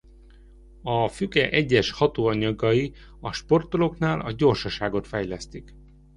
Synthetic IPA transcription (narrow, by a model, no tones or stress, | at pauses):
ɒfykɛʔɛɟːɛʃhɒt̪oːɒɲɒɡɒji | ɒʃpo̞rt̪o̞lo̞knaːlɒɟo̞rʃɒʃaːɡo̞t̪fɛjlɛst̪ik